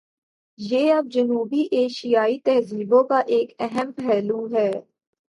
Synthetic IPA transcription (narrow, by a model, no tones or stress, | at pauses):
jeːɐb̚d͡ʒɐnuːbiʔeːʃijaːit̪ɛɦziːbõkaʔeːkɛɦɛmpɛːluɦɛː